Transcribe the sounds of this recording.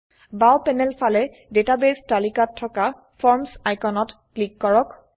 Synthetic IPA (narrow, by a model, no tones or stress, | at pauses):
bawpɛnɛlpʰalɛ | detabestalikatʰːɔka | fʰɔɹmsajkɔnɔtklikːɔɹɔk